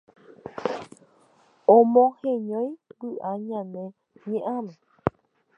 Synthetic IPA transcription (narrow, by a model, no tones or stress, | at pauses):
õmõhẽɲõj̃bɨʔaɲãnẽ | ɲẽʔamẽ